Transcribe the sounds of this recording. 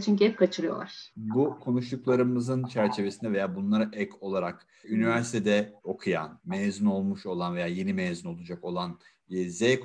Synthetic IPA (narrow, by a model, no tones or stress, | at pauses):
t͡ʃʰyɲcyhɛp̚kʰat͡ʃʰɯɾɯjo̰lˠa̰ɾ̥bukʰo̞nuʃt̪uklˠaɾɯmɯzɯnt͡ʃʰæɾt͡ʃʰe̞vesind̪ɛve̞jaːbunlˠaɾaʔɛkʰo̞lˠaɾak | ynivæɾsit̪ʰed̪ɛo̞kʰuja̰nmɛjzyno̞lˠmuʃo̞lˠanve̞jaːje̞nimɛjzyno̞lˠud͡ʒako̞lˠan | zɛjk